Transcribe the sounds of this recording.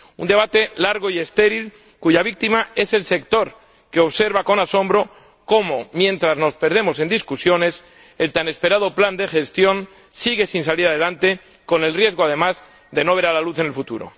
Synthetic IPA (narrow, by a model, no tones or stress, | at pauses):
ṵnd̪e̞β̞at̪e̞laɾɣo̞ie̞st̪e̞ɾil | kuʝaβ̞ik̚t̪imae̞se̞lse̞kt̪o̞ɾ | ke̞o̞βse̞ɾβako̞naso̞mbɾo̞ | ko̞momjẽ̞nt̪ɾazno̞spe̞ɾð̞e̞mo̞se̞nd̪iskusjo̞ne̞s | e̞lt̪ane̞spe̞ɾað̞o̞pland̪e̞xe̞st̪jo̞n | siɣe̞sinsaliɾaðe̞lant̪e | ko̞ne̞lrje̞zɣo̞að̞e̞maz | d̪e̞no̞β̞e̞ɾalaluθe̞nelfut̪ṵɾo̞̰